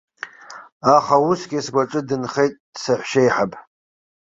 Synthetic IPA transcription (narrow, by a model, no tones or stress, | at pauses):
aχausɡʲisɡʷaʈ͡ʂʼɨdɨnχe̞jtʼd̥saħʷʃejħapʼ